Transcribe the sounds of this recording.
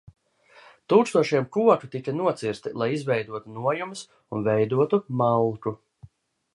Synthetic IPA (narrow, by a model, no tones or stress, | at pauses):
t̪uːkst̪uɔʃiɛmkuɔkut̪ikɐnuɔt̪siɾst̪ilˠajizvɛjd̪uɔt̪unuɔjumɨs | unvɛjd̪uɔt̪umawlˠku